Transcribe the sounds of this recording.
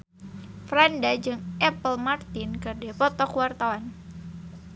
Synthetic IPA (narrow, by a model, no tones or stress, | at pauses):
fɾandad͡ʒɨŋʔɛpəlmart̪ɪnkɨrdɛpɔt̪ɔkuwart̪awan